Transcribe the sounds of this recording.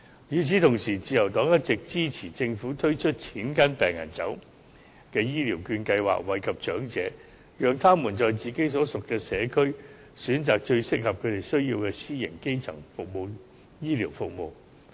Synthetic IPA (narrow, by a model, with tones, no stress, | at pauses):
jyː˨˧t͡sʰi˨˥t̪ʰʊ˨˩ŋsiː˨˩t͡siː˨˧jɐ˨˩wt̪ɔː˨˥ŋjɐ˥t̚t͡sɪ˨k̚t͡siː˥t͡sʰiː˨˩t͡sɪ˧ŋfuː˨˥t̪ʰɵ˥ɥt͡ʃʰɵ˥t̚t͡sʰiː˨˥nkɐ˥npɛː˨˩ŋːɐ̰˨˩nt͡sɐ˨˥w | kɛː˧jiː˥liː˨˩wkyː˧nkɐ˧jwa̰ː˨k̚wɐ˨jkʰɐ˨p̚t͡ʃœː˨˥ŋt͡sɛː˨˥ | jœː˨ŋt̪ʰaː˥muː˨˩nt͡ʃɔː˨jt͡siː˨ke˨˥jsɔː˨˥sʊ˨kːɛː˧sɛː˨˧kʰɵ˥ɥ | syː˨˥nt͡saː˨k̚t͡ʃɵ˧ɥsɪ˥k̚hɐ˨p̚kʰɵ˨˧ɥt̪e˨˩jsɵ˥ɥjiː˧wkɛː˧siː˥jɪ̰˨˩ŋke˥jt͡sʰɐ̰˨˩ŋfʊ˨k̚mo˨˧w | jiː˥liː˨˩wfʊ˨k̚mo˨˧w